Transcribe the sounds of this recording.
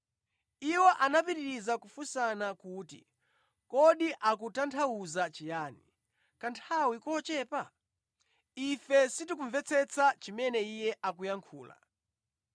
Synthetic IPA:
iwɔʔanapiɾiɾizakufusanakuːtḭ | kɔɗiʔakutantʰauzat͡ʃijaːni | kantʰawikɔt͡ʃɛːpa | ifɛsitik̬uɱvɛt͡sʰɛt͡sʰat͡ʃimɛnɛijɛʔakujaŋkʰuːla̰

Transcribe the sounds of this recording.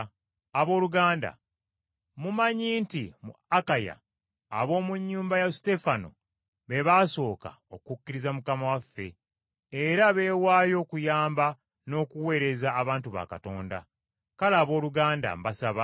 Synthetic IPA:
aβo̞ːluɡaːnda̰ | mumaɲiːntimṵakaja̰ː | βo̞ːmuɲːuːmbajaste̞fano̰ | βe̞βaːso̞ːka̰ | okkukːiɾizamukamawafːe̞̰ː | ɾaβe̞ːwaːjo̞ːkujaːmba | no̞ːkuwe̞ːɾe̞zaːβaːntuβa̰kato̞ːnda̰ | kalaːβo̞ːluɡaːnda̰mbasaβa

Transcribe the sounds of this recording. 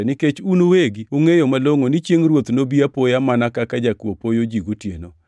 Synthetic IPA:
nɪket͡ʃunoweɡioŋejomaloŋonɪt͡ʃjeŋrwot̪nobiapojamanakakad͡ʒakwopojod͡ʒiɡotjeno

